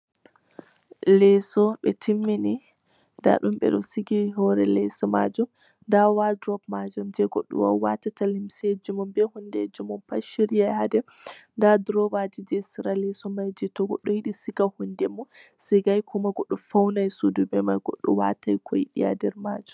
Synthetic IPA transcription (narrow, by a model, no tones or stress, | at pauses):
lɛsɔɓɛtʰimːini | nda̰ɗumɓɛ̰ɗɔsiɡiɦɔɾɛlɛsɔma̰d͡ʒɔm | ndawadɾɔpmad͡ʒɔmd͡ʒɛɡɔɗːɔ̰wa̰watatalimsed͡ʒumɔmbɛhundɛd͡ʒumɔmpaʃiɾijajhadɛ | ndadɾɔwadid͡ʒɛsiɾalɛsɔmajd͡ʒitɔɡɔɗɔjiɗisiɡahundɛmɔsiɡajkʰɔmaɡɔɗːɔfawnajsudubɛmajɡɔ̰ɗːɔ̰wa̰tajkʰɔjiɗija̰dɛɾmad͡ʒum